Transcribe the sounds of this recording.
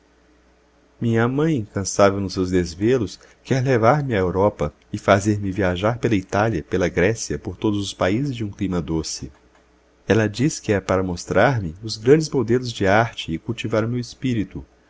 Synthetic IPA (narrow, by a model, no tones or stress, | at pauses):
mĩɲɐmɐ̃j̃ĩŋkɐ̃savewnʊsewzd̪ezvelʊs | kɛɾlevaɾmɪaewɾɔpɐ | ɪfazeɾmɪviaʒaɾpelɐit̪aljɐpelɐɡɾɛsiɐpoɾt̪od̪ʊzʊspaizɪzd͡ʒɪũklĩmɐd̪osɪ̰ | ɛlɐd͡ʒiskɪɛpaɾɐmost̪ɾaɾmɪʊzɡɾɐ̃d͡ʒɪzmod̪elʊzd͡ʒɪaɾt͡ʃɪːkuwt͡ʃivaɾʊmewɪspiɾit̪u